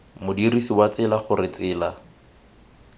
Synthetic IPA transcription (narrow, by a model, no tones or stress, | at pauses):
mʊdirisiwat͡sɪlaχʊrɪt͡sɪːla